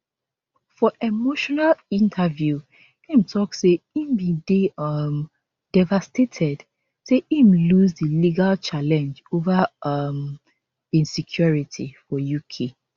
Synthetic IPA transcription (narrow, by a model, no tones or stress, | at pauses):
fɔʔemoʃɔnalĩntʰavju | ĩmtʰɔkseĩmbideʌm | d̥ɛvastetʰɛd | seĩmluzdiliɡalt͡ʃalɛ̃nd͡ʒovam | ĩnsikʰjɔɹitʰifɔjukʰe